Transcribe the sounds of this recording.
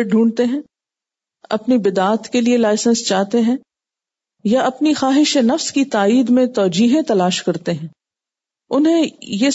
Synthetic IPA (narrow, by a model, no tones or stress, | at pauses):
ʈ̚ɖʱũːɳt̪eɦɛ̃ː | ɐ̰pnibɪd̪aːt̪kelielaːɪsə̃nst͡ʃaːɦt̪eɦɛ̃ː | jaɐpnixaːɦɪʃenɐfskit̪aːiːd̪mẽt̪ɔːd͡ʒiːɦẽt̪ɐlaːʃkɐɾt̪eɦɛ̃ː | ʊnɦẽje